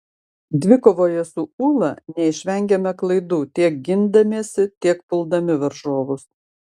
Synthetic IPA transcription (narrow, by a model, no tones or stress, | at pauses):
d̪ʲʋʲɪkoːʋoːjɛsʊuːlˠɐnʲɛɪʃʲʋʲɛŋʲɡʲɛmʲɛklˠɐɪd̪uːt̪ʲiɛk̚ɡʲɪnd̪ɐmʲeːsʲɪt̪ʲiɛkpʊlˠd̪ɐmʲɪʋɐɾʒoːʋʊs